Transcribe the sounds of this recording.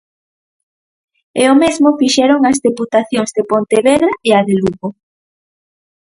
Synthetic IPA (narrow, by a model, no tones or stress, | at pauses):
eomezmofiʃɛɾoŋɐzðeput̪aθjoŋzðepont̪eβeðɾaʔeaðeluɣo